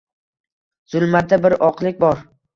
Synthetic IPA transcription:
z̥ʊlˠmad̪abɪɾɒqlˠɪk̚ʲbɒɾ

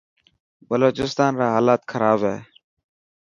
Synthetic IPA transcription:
bəloːt͡ʃɪst̪aːnɾaːɦaːlaːt̪kʰəɾaːbɦɛː

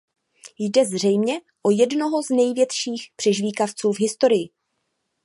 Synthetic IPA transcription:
jdɛzr̝ɛjmɲɛ | ʔo̞jɛdno̞ɦo̞znɛjvjɛt̪ʃiːxpr̥ɛʒviːkaft͡suːvɦɪst̪o̞ɾɪjɪ

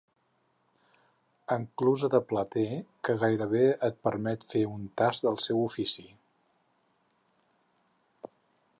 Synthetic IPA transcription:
əŋkluzəðəplət̪ekəɣajɾəβ̞eət̪̚pəɾmɛt̪feunt̪azd̪əlˠsɛwufisi

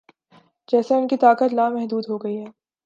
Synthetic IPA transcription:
d͡ʒɛːseʊnkit̪aːkət̪laːmɛɦd̪uːd̪ɦoɡɐiɦɛː

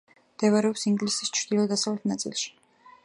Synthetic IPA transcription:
md̪̥ɛvaɾɛɔpsiŋɡlisi̥st͡ʃʰɾd̪ilˠɔd̪asavlɛt̪ʰnat̪sʼḭlˠʃi̥

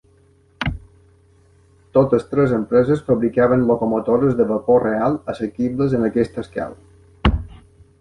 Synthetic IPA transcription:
t̪ot̪əst̪ɾɛzəmpɾɛzəsfəβɾikaβ̞ənlokomot̪oɾəzðəβəporealˠəsəkiβləzənəkɛst̪əska̰lə

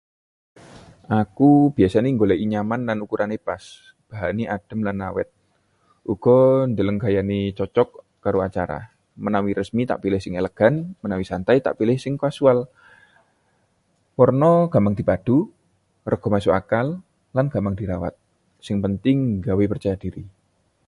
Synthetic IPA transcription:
ʔakub̥iasaniŋɡolaʔiɲamanlanukuɾanebas | b̥aɦaniʔad̥ə̤mlanːawɛ̰t̪̚ | ʔuɡ̥ɔnd̪ələŋɡajanit͡ʃɔt͡ʃɔkː | aɾoat͡ʃaɾa̰ | mənawiɾəsmit̪a̰ʔpilɪhsɪŋeləɡ̥a̤nmənawisant̪ajt̪a̰ʔpilɪhsɪŋkasual | pɔrnɔɡ̥amaŋdi̤pad̥u | rəɡ̥ɔ̤masʊkakalː | anɡ̥amaŋd̥iɾawa̰t̪̚ | sɪŋpənt̪ɪŋɡawepərt͡ʃajadiɾḭ

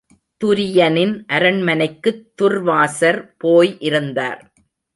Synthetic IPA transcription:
t̪ʊɾɪjɐnɪnʔɐɾɐɳmɐnɐɪkːɯt̪ːʊrʋaːsɐɾpoːjʔɪɾɯnd̪a̰ːɾ

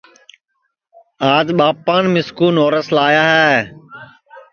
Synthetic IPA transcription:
aːd̪ɓaːpaːnmɪskuːnoːɾəslaːjaːɦɛː

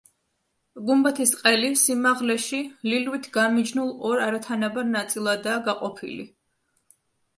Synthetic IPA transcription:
ɡumbat̪ʰisqʼɛlisimaʁlɛʃililwit̪ʰɡamid͡ʒnulˠɔɾaɾat̪ʰanabaɾnat̪sʼilˠad̪aːɡaqʼɔpʰḭlḭ

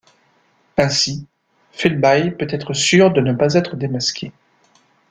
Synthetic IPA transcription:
ɛ̃si | fɛlbajpøt̪ɛt̪χəsyʁd̪ənəpazɛt̪χəd̪emaskʲʰe

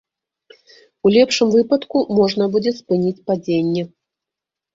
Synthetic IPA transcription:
ulʲɛpʂɨmvɨpɐt̪kumɔʐnɐbud͡zʲɛspɨnʲit͡sʲpad͡zʲenʲːɛ

